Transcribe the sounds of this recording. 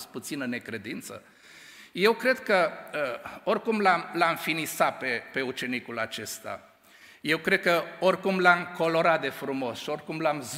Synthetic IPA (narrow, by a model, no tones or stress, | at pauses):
st̪put̪sinəne̞kɾe̞d̪int̪sə̰ | je̞wkɾe̞d̪kəəo̞rʲkumlamlamfinisapepe̞ut͡ʃe̞nikulat͡ʃe̞st̪a̰ | je̞wkɾe̞d̪̥̚kəorʲkumlamko̞lo̞ɾat̪̚d̪e̞fɾumo̞sʃio̞rʲkumlamz